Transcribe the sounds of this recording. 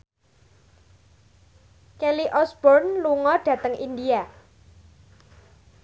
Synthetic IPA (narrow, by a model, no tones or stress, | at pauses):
keliʔɔsb̥ɔrnluŋɔɖ̥ä̤t̪əŋʔind̪ia